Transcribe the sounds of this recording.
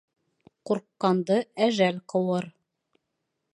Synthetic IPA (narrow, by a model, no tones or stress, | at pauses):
quɾqːɑnd̪ɤæʒælqɤ̆wɤɾ